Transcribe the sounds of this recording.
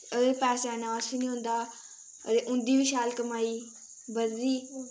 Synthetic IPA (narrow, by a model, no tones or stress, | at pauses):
əɡəɾpɛːsaːnãːəsiːnĩːɦʊ̃nd̪aː | ə̰ɾeːʔʊ̃nd̪iːʋiʃaːlkəmaːiː | bəziː